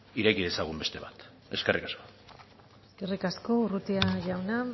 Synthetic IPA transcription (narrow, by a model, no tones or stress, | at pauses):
iɾekiðe̞saɣ̞umbe̞st̪e̞βat̪ | eske̞rikasko | eske̞rikasko̞urut̪iaʝawna